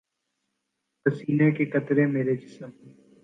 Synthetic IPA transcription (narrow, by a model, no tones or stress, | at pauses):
pəsiːneːkeːkət̪ɾeːmeːɾeːd͡ʒɪsəmː